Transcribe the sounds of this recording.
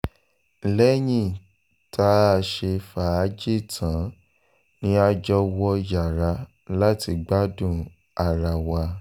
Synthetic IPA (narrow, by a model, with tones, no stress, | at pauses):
lɛ˦j̃ĩ˦˨ | tʰa˨˦a˧ʃe˧fa˨˦d͡ʒe˦˨tʰã˨˦ | nĩ˦a˧d͡ʒɔ˧wɔ˧ja˨ɾa˧ | la˦ti˧ɡ͡ba˦dũ˦˨ | a˨ɾa˨wa˧